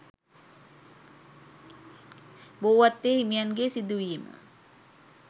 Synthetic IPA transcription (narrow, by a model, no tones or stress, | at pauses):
bowat̪ːehimianɡesid̪uima̰